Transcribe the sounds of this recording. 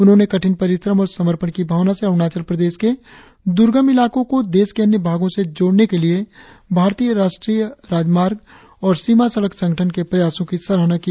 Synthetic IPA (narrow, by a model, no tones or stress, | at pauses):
ʊnɦõnekɐʈʰɪnpɐɾɪsɾəmɔːɾsɐməɾpənkibʱaːʋnaseəɾnaːt͡ʃəɾpɾəd̪eːʃke | d̪ʊɾɡəmɪlaːkõkod̪eːskeɐnjəbʱaːɡõsed͡ʒoːɽnekelie | bʱaːɾt̪iːjəɾaːʃʈɾiːjəɾaːd͡ʒmaːɾɡ | ɔːɾsimasɐɽəksɐ̃ŋɡʱəʈʰənkepɾɐjaːsõkisɐɾəɦnaki